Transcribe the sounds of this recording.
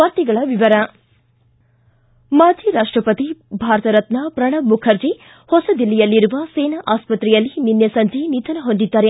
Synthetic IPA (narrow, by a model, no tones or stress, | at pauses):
ʋɐɾt̪iɡɐɭɐʋiʋɐɾɐ | maːd͡ʒʱiːɾaːʂʈɾɐpɐt̪ibʱaːɾɐt̪ɐɾɐt̪napɾɐɳɐmːukʰɐɾd͡ʒi | hɔsɐd̪ilːɛjɐlːiɾuʋɐseːnɐʔaːspɐt̪ɾɛjɐlːininjɐsɐɲd͡ʒinit̪ɐnɐɦond̪id̪ːaːɾe